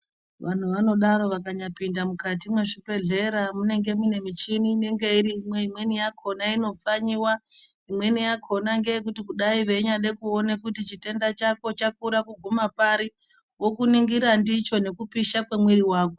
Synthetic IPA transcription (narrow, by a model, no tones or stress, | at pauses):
ʋan̤uʋano̞ɗaɾo̞ʋakaɲapindamukatimwe̞ʐibe̞ɮe̞ɾamune̞ŋɡe̞mune̞mit͡ʃinine̞ŋɡe̞iɾimweimwe̞nijakʰo̞naino̞faɲiwa | imwe̞nijakʰo̞naŋɡe̞ekutikuɗaiʋe̞iɲaɗe̞kuonekutit͡ʃite̞ndat͡ʃako̞t͡ʃakuɾakuɡʱumapaɾi | wo̞kuniŋɡiɾandit͡ʃo̞ne̞kupiʃakwe̞mwiɾiwaːko